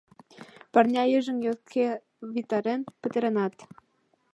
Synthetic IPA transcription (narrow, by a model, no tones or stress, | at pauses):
pɑrnʲɑjəʒə̆njot̪kʰe | βʲit̪ɑɾenpə̆t̪ə̆ɾĕnɑt̪